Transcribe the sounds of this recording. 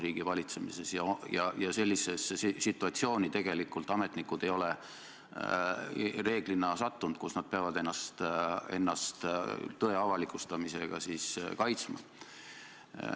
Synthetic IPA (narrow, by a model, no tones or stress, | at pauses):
riːɡ̥ivɑlʲit̪se̞mise̞sjɑjɑjɑse̞lʲːisessit̪ːˑuɑt̪sio̞ːnʲit̪e̞ɡ̥e̞likːˑult̪ˑɑmet̪nikud̪̥e̞jo̞le | re̞ːɡ̥linɑsɑt̪ːund̪̥̚kusnɑd̪̚peɑvɑd̪e̞nːɑst̪e̞̰nːɑst̪t̪ɤe̞ɑvɑlikˑust̪ɑmise̞ɡ̥ɑ̰siskɑjt̪smɑ̰